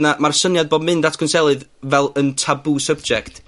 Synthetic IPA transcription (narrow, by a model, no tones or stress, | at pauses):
namarsənjad̚boːdmɨndatʰkʰənsɛlˠɨðvɛlˠəntʰabuːsəb̚d͡ʒɛkt